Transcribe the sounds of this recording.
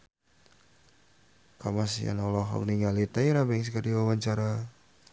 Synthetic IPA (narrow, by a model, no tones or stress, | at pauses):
kamasḭa̰nɔlɔɦɔ̰k̚niŋalit̪ajiɾabɛŋs̬kadiwawaɲt͡ʃaɾa